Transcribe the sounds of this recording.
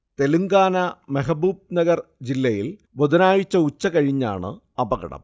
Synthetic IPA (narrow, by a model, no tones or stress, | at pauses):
t̪e̞luŋɡaːnɐmeɦɐbuːb̚nɐɡɐrd͡ʑilːɐjil | bod̪ɐnaːjit͡ɕːɐut͡ɕːɐkɐɻiɲːa̰ːɳɨ̰ | ɐbɐɣɐ̰ɽɐ̰m